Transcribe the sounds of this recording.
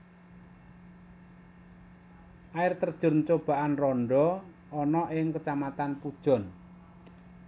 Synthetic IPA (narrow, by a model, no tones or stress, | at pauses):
ʔaɪrt̪ərd̥ʒ̥ʊ̤rnt͡ʃob̥a̤ʔanrɔɳɖɔ | ɔnɔʔɪŋkət͡ʃamat̪anpud̥ʒ̥ɔ̤n